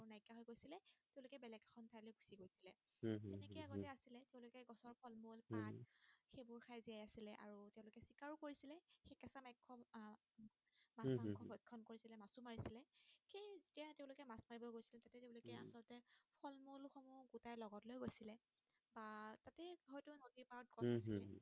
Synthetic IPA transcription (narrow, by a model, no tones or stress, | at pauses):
aɹunajkaɦɔjɡojsilɛteʊ̃lokɛbɛlɛɡxʰɔntʰajlojɡusiɡojsilɛ | zɛnɛkɔjaɡɔttɛasilɛteʊ̃lokɛɡɔsɔɹpʰɔlmolpatxebʊɹxʰajziajasilɛʔa̰ɹutɛʊ̃lokɛsikaɹukoɹisilɛxekɛsamɛkʰːɔ | masmakʰːɔbɔjkʰːɔnkoɹisilɛmasumaɹisilɛxejzetijateʊ̃lokɛmasmaɹibɔɡojsilɛtatɛteʊ̃lokɛa̰sɔɹɔtɛpʰɔlmolxɔmuɡutajlɔɡɔtlojɡojsilɛ | batatɛhɔjtʊnodipaɔt̚kɔsasɛ